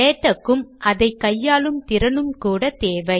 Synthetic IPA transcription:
eːʈːɐkːɯmɐðɐɪkːɐjːaːlɯmt̪ɪɾɐnɯmkuːɽɐt̪eːʋɐɪ

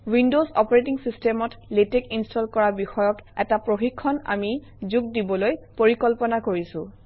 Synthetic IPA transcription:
windozɔpɔɹetiŋsistemɔtletekinstɔlkɔɹabixɔjɔkɛtapɹoxikʰːɔna̰mi | zuɡ̚dibɔlojpoɹikɔlpɔnakoɹisʊ̃

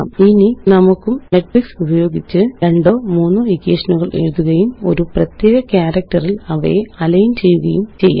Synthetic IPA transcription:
ininɐmukːumneʈfiksubɐjo̞ːɡit͡ɕːɨɾeɳɖo̞ːmuːnːulikːeːʂɐnuɣɐɭʔeɻuðuɣɐjumo̞̰ɾuprɐt̪jeːɣɐkjaːɾɐk̚ʈɐrilɐʋḛɐlɐjunt͡ɕe̞jːuɣɐjumt͡ɕe̞jːa̰

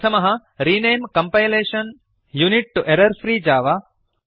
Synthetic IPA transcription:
t̪ʰɐmɐɦɐɾiːneːmkɐ̃mpajleːʃɐn | juniʈ̚ːuʔeɾɐɾfɾiːd͡ʒaːʋa

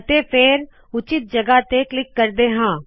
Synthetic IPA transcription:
t̪eːpʰɪɾ | ʊt͡ʃɪt̪̚d͡ʒəɡaːt̪eːklɪkːəɾd̪eːɦãː

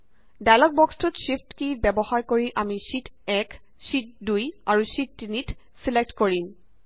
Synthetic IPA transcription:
dajlɔk̚bɔkstɔtʃiftkibɛbɔhaɹkoɹiʔamiʃitɛk | sit̚dujaɹuʃitːinit | silek̚tkoɹim

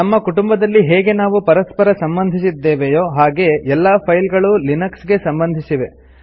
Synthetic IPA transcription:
nɐmːɐkuʈumbɐd̪ɐlːiɦeːɡe̞naːʋupɐɾɐspɐɾɐsɐmbɐnd̪ʱisid̪ːe̞ːʋejoːɦaːɡe̞ɛlːaːpʰɐjlɡɐɭulinɐksɡe̞sɐmbɐnd̪ʱisiʋe̞

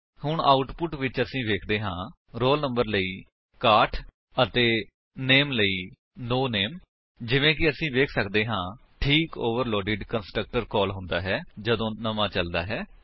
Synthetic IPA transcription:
hʊɳaːʊʈpʊʈʋɪt͡ʃəsĩːʋeːkʰd̪eːɦãː | ɾoːlnə̃mbəɾləiː | kaːʈʰ | ət̪eː | neːmləiː | noːneːm | d͡ʒɪʋẽːkɪəsĩːʋeːkʰsəkd̪eːɦãː | ʈʰiːkoːʋəɾlɔːɖɪːɖkənsʈɾək̚ʈəɾkɔːlɦʊ̃nd̪a̰ːɦɛːd͡ʒəd̪õːnəmãːt͡ʃəld̪a̰ːɦɛː

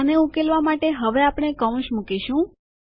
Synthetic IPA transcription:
əneukelʋamaʈeɦəʋeapɽ̃ekəʋ̃ʃmukiʃũ

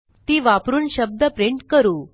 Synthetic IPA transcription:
t̪iːʋapɾuːnɕəb̚d̪əpɾiɳʈkəɾuː

